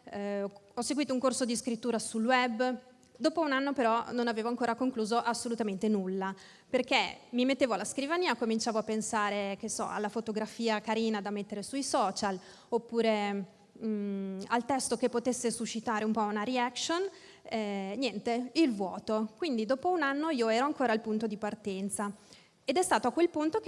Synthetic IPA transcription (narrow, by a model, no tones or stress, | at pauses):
ɔsːeɡwiːt̪ouŋkorsod̪iskɾit̪ːuːɾasulwɛbː | d̪oːpounanːopeɾɔnonaveːvoaŋkoːɾakoŋkluːzoʔasːolut̪ament̪enulːa | perk̟ḛmimet̪ːeːvoalːaskɾivaniːakomint͡ʃaːvoapːensaːɾekesːɔ̰a̰lːafot̪oɡɾafiːakaɾiːnad̪amːet̪ːeɾesuisɔːt͡ʃal | opːuːɾe | alt̪ɛst̪okepːot̪esːesuʃːit̪aːɾeumpɔunaɾiakson | ɛnjɛnt̪eilvwɔːt̪okwind̪id̪ɔːpounanːoiːoɛːɾoaŋkoːɾailpunt̪od̪ipart̪ɛnt̪sa | ed̪ɛst̪aːt̪oakwelpunt̪ok